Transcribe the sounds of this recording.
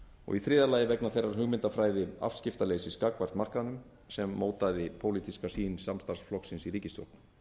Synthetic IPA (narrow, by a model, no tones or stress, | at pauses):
ɔ̰ɣiθɾɪːðalaːjɪvɛknaθejrːaɾ̥ɦʏɣmɪnt̪afɾaːjðɪa̰fscɪft̪aleːsɪskakvar̥t̪mar̥kaðnʏm | sɛmːoːwt̪aðɪpʰowliːt̪iskasiːnsamst̪aɾsflɔksɪnsiɾiːcɪst̪o̰wlt̪n